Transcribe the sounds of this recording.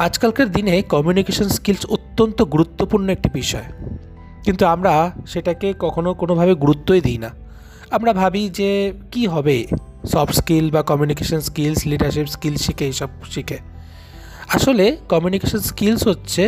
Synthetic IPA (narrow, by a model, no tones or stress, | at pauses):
ad͡ʑkalkeɾd̪inekɔmjunikeʃonskilsot̪ːont̪oɡuɾut̪ːopuɾnoek̚ʈibiʃɔ̰e | kint̪uamɾaʃeʈakekɔkʰonokonobʱabeɡuɾut̪ːojd̪ijna̰ | amɾabʱabid͡ʑekiɦɔbe | sɔbskilbakɔmjunikeʃonskilsliɖaɾʃipskilʃikeejʃɔb̚ʃike | aʃolekɔmjunikeʃonskilsɦotːɕʰe